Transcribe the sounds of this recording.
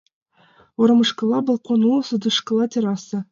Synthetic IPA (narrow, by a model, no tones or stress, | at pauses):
oɾɤ̆mə̆ʂkə̆lˠɑbɤ̆lˠqonusə̆d̪ə̆ʂkə̆lˠɑt̪ʲeɾɑsə̆